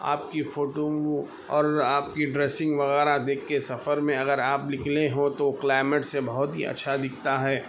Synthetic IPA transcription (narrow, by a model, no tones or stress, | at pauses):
a̰ːp̚kifoːʈo | ɔːɾaːp̚kiɖɾeːsɪ̃ŋɡʋɐɣɛːɾad̪eːkʰːesɐfəɾmẽɐɡəɾaːplɪkʰleɦõt̪oklaːɪmeʈsebɐɦʊt̪ɦḭɐ̰tːʃʰad̪ɪkʰt̪aɦɛː